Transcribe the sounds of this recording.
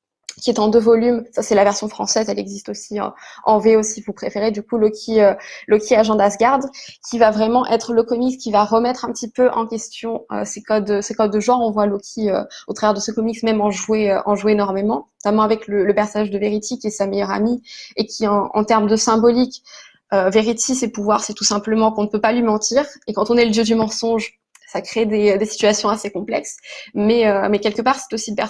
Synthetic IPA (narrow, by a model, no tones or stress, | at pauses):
kʲiɛt̪ɑ̃d̪øvɔlymsasɛlavɛʁsjɔ̃fχɑ̃sɛzɛlɛɡzist̪osḭ̃ɑ̃veosivupχefeʁed̪ykulɔkʲʰiølɔkʲʰiaʒɑ̃d̪asɡaʁd̪kʲivavʁɛmɑ̃ʔɛt̪χələkɔmikskʲivaʁəmɛt̪χɛ̃pət̪ipøʔɑ̃kʲɛst̪jɔ̃ø̰sekɔd̪sekɔd̪ːəʒɑ̃ɔ̃vwalɔkʲʰiø̰ot̪χavɛʁd̪əsəkɔmiksmɛmɑ̃ʒweøʔɑ̃ʒuenɔʁmemɑ̃nɔt̪amɑ̃avɛklələpɛʁsɔnaʒd̪əveʁit̪ikʲiɛsamejœʁa̰miekʲʰiɑ̃ɑ̰̃t̪ɛʁmd̪əsɛ̃bɔlik | øveʁit̪isepuvwaʁsɛt̪usɛ̃pləmɑ̃kɔ̃nəpøpalɥimɑ̃t̪iːʁekɑ̃t̪ɔ̃nɛləd̪jød̪ymɑ̃sɔ̃ʒ | sakχed̪ed̪esi̥t̪ɥasjɔ̃asekɔ̃plɛksmɛømɛkʲɛlkəpaʁsɛ̥t̪osid̪pɛ